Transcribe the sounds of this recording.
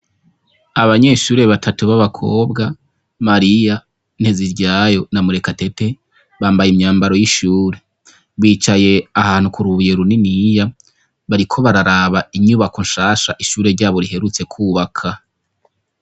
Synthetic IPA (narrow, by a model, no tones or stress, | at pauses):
aβaɲe̞ːʃuːɾe̞βatʰatuβaβakʰo̞̰ːbɡa | maɾija | n̥he̞ziɾɟaːjo̞namuɾe̞kate̞te̞ | βaːmbajimɲaːmbaɾo̞jiʃuːɾe̞ | βiːt͡ʃaje̞ahaːn̥hukuɾuβujeɾuninija | βaɾikʰo̞βaɾaɾaβaiɲuβakonʃaːʃaʔiʃuːɾe̞ɾɟaːβo̞ɾiɦe̞ɾut͡se̞kʰuːβakʰa